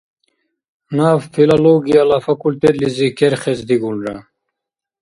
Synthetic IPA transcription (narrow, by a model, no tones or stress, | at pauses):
naffilaloːɡijalafɐkult̪et̪lizikeɾχezd̪iɡulɾa